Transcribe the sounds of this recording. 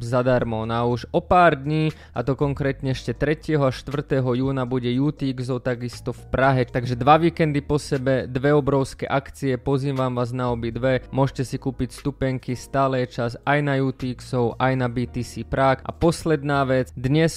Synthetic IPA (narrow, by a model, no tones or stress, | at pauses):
zad̪aɾmɔnauʒɔpaːɾd̪ɲiː | at̪ɔkɔŋkɾɛːt̪ɲɛɛʃcɛt̪ɾɛcɪɛɦɔaʃt̪ʋr̩t̪ɛːɦɔjuːnabuɟɛjuːt̪iːɡsɔʊt̪aɡist̪ɔfpɾaɦɛt̪aɡʒɛd̪ʋaʋiːkɛnd̪ipɔsɛbɛd̪ʋɛɔbɾɔʊskɛ̰ʔakt͡siɛpɔziːmʋaːmʋaːznaɔbid̪ʋɛmʊɔʒcɛsikuːpicst̪upɛŋkist̪aːlɛjɛt͡ʃasajnajuːt̪iːksɔʊʔajnabiːt̪isiːpɾakʔa̰pɔslɛd̪naːʋɛt͡sd̪ɲɛs